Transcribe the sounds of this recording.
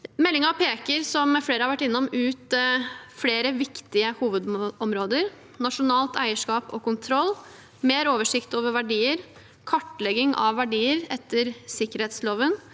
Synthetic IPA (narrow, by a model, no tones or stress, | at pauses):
mɛlːɪŋɑpʰeːkəɾsɔmfleːɾəhɑɾʋæʈːɪnːʊmʉːt̪fleːɾəʋɪkt̪ɪəhuːʋəd̪ɔmɾoːd̪əɾ | nɑʂʊnɑːlt̪ʰæɪəʂkɑːpɔ̰kʊnt̪ʰɾɔlː | meːɾoːʋəʂɪkt̪oːʋəɾʋæɖiːəɾ | kʰɑʈːlɛɡɪŋʔɑ̰ʋːæɖiːəɾɛt̪ʰːəɾsɪkːəɾheːt̪sloːʋən